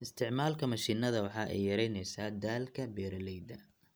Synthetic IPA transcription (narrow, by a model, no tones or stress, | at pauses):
ʔɪst̪ʰɪʕmaːlkʰɐmɐʃiːnɐðɐwɑħɑːʔɛ̰jːɐɾɛjnɛjsaːd̪aːlkʰɐbɛːɾɐlɛjd̪ɐ